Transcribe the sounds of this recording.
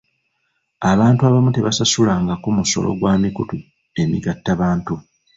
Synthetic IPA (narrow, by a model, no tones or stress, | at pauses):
aβaːntuaβamute̞βasasulaːŋɡakumuso̞̰lo̰ɡwaːmikutu | e̞miɡatːaβaːntu